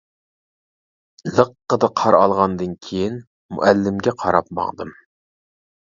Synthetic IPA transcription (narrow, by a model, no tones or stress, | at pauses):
lˠəqːəd̪ɨqʰɑɾɑlˠʁɑnd̪ɨnkʲʰejin | mṵʔælːɪmɡʲɛqʰɑɾɑp̚mɑ̰ŋd̪ɨm